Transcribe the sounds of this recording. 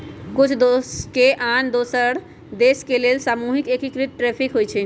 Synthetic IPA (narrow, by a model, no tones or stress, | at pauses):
kut͡ʃʰd̪oskeʔand̪osəɾ | d̪eskelelsamuɦikekikɾiʈ̚ʈɾɛpʰikɦojt͡ʃʰɛ